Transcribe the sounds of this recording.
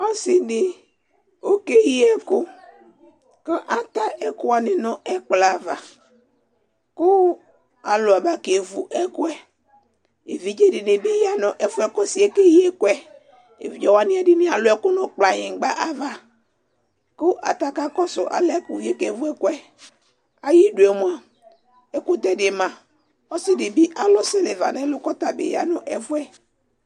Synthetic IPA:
ɔ˦sɪ˨dɪ˨ | o˦ke˦ji˦ɛ˦kʊ˦ | kə˦ʔa˨t̪a˦ɛ˨kʊ˦a˨nɪ˨nɔ̃˨ɛ˦k͡pla˨va˨ | kʊ˦ | a˨lʊ˨a˨ba˦ke˨vu˨ʔɛ˦kʊ˦ɛ˦ | e˨vi˨d͡ʒe˦dɪ˨ne˨be˦ji˦a˦nɔ̃˨ʔɛ˦fʊ˦ɛ˦kɔ˦si˨ɛ˨ke˦ji˦ɛ˦kʊ˦ɛ˦ | ḛ˨vi˨d͡ʒɔ˨wa˨nɪ̃˦ɛ˦dɪ˦nĩ˦a˨lʊ˨˦ɛ˨kʊ˦nʊ̃˨k͡pla˨ɲɪ̃˨ŋ˨˦ɡ͡ba˦ʔa˦va˨ | kʊ˦ʔa̰˨t̪a˦ka˦kɔ˦sʊ˨ʔa̰˨lɛ˦kʊ˨je˦ke˨vu˦ɛ˦kʊ˦ɛ˦ | a˨ji˦du˨e˨mʊ˨˦a˨ | ɛ˦kʊ˦d̪ɛ˦dɪ˨mã˨ | ɔ˦sɪ˦dɪ˨bi˦ʔa˨lʊ˦sɪ˦le˨va̰˨nɛ˦lʊ˦kɔ˦t̪a˨bɪ̰˨ja̰˨nʊ˨ʔɛ˨fʊ˦ɛ˦

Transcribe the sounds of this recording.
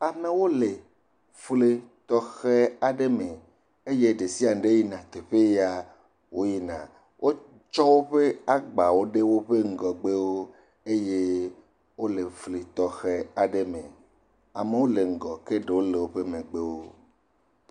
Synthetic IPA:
a˨mẽ˦wo˦le˨ | fle˦t̪ɔ˦xɛ˦a˨ɖe˦mẽ˨ | e˦je˦ɖe˨si˦a˨ŋ˨˦ɖe˦ji˦nã˨t̪e˨ɸe˦ja˦ | wo˦ji˦nã˨ | wʔo˦ | t͡ʃɔ˦wo˦ɸe˦a˦ɡ͡ba˨wo˦ɖe˦wo˦ɸe˦ŋ̩˦ɡɔ˨ɡ͡be˦wo˦ | e˦je˦ | wo˦le˨fle˨t̪ɔ˨xɛ˦a˨ɖe˦mḛ̃˨ | a˨me˦wo˦le˨ŋ̩˨ɡɔ˨ke˦ɖe˨wo˦le˨wo˦ɸe˦mẽ˨ɡ͡be˦wo˦

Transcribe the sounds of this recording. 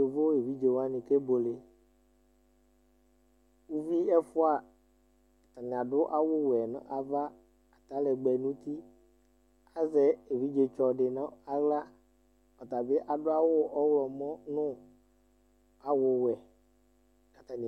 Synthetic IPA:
e˨vo˦e˨vi˦d͡ʒe˨wa˦nĩ˨ke˦bo˨le˨ | wu˦vi˦ɛ˦fʊ˦a˨ | a˨t̪a˨nĩ˨a˨ɖʊ˦ʔa˦wo˦wɛ˨nã̰˦ʔa˨va˦ | a˨t̪a˨˦lɛ˨ɡ͡bɛ˨nũ˦t̪i˦ | a˨zɛ˦e˨vi˦d͡ʒe˨t͡ʃɔ˨ɖe˨nã˦a˨ɣla˦ | ɔ˨t̪a˨be˦ʔa˨ɖʊ˦a˦wo˦ʔɔ˦wlɔ˨mɔ̃˦nʊ̃˦ | a˨wo˦wɛ˨ | ka˨t̪a˨n˨

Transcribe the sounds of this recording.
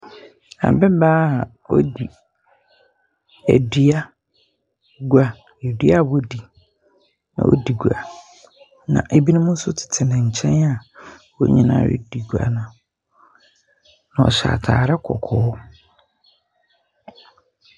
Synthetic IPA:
a̰˨bɛ˦baː˦˨ | wo̰˦di˨ | æ̰˨dɥa˦ | ɡu˦a˨ | e˨dɥa˦˨bo˦di˨ | nã̰˨ʔo̰˦di˨ɡu˨a̰˨ | nã̰˨ʔe˨bi˦nʊ̃˦mʊ̃˦n̩˦sʊ˦tʰɪ̥˨tʰɪ˨nɪ̃˨ɲ̩˨t͡ɕʰɛ̃˦na˨wo˦ɲĩ˨nã̰ː˨˦˨jɪ̰˦di˨ɡu˨a̰˨nã˨ | nã˨ɔ̰˨ɕa̰˨tʰaː˨ɾɛ˦kʰɔ̰˨kʰɔː˨˦

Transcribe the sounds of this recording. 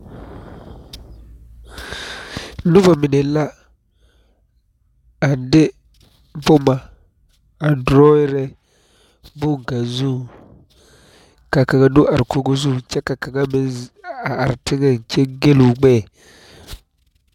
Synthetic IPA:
nʊ˦va˨mɪ˨ne˨˦la˦ | a˨n˦dɪ˦ | m˦bʊ˦ma˨ | a˨dɾɔ˦ɪ˦ɾɛ˦ | bʊ˦˨ŋ˨ka˨zu˦˨ | ka˨ka˨ŋa˨nʊ˦ʔa˨ɾɪ˨ko˦ɡo˦zu˦˨t͡ʃɛ˦ka˨ka˨ŋa˦mɪ˦a˨a˨ɾɪ˨tɪ˦ŋɛ˨n˨t͡ʃɛ˦ɡe˦lu˨ɡ͡bɛː˦˨

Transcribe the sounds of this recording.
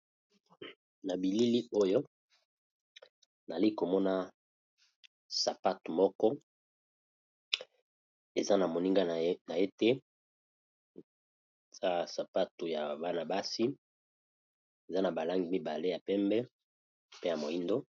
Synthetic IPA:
na˨bi˨li˦li˦o˦jo˦ | na˨li˦ko˨mɔ˦na˦ | sa˨pa˦tu˨mɔ˦kɔ˦ | e˨za˦na˨mo˨ni˦ŋɡa˦˨na˨e˦te˦˨ | za˦sa˨pa˦tu˨ja˨ba˦na˨ba˦si˦ | e˨za˦na˨ba˨la˦ŋɡi˨˦mi˦ba˨le˦ja˨pɛ˦mbɛ˦ | pe˦ja˨mo˨i˦ndo˦

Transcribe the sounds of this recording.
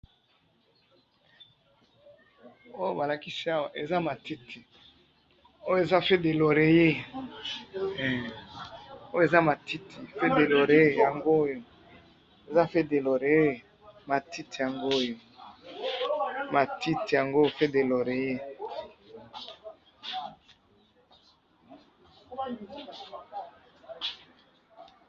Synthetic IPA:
o˦jo˦ba˨la˨ki˦si˦a˦wa˨ʔe˨za˦ma˨ti˦tʰi˨ | o˦jo˦e˨za˦fe˦de˨lo˨ɾe˨je˦˨ | o˦jo˦e˨za˦ma˨ti˦ti˨fe˦de˨lo˨ʁe˨˦˨ja˨ŋɡo˦jo˨ | e˨za˦fe˦de˨lo˨ɾe˨e˦ | ma˨ti˦ti˨ja˨ŋɡo˦jo˨ | ma˨ti˦ti˨ja˨ŋɡo˦fe˦de˨lo˨ɾe˨je˦

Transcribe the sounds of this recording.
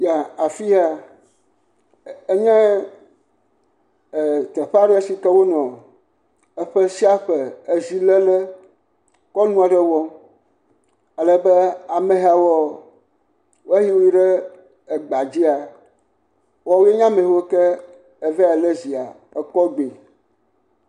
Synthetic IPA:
ja˨a˨fi˦a˨ | e˦ɲɛ̃˦˨ | t̪ə˨ɸa˦ɖɛ˦e˦si˦kɛ˦wo˦nɔ̃˨ | ə˦ɸə˦si˦a˦ɸə˨e˨zi˨lɛ˦lɛ˦ | kɔ˦nũ˦a˨ɖə˦wɔ˦ | a˨lə˨bɛ˦a˨mẽ˨ɦa˨wɔ˦ | we˦ɦi˦wo˦i˦ɖɛ˦ | e˨ɡ͡ba˨d͡ʑi˦a˨ | wɔ˨wo˦e˦ɲã˦mẽ˨wo˦kɛ˦ | e˨vɛ˦a˨lɛ˦zi˨a˨ | ə˨kɔ˦ɡ͡be˨

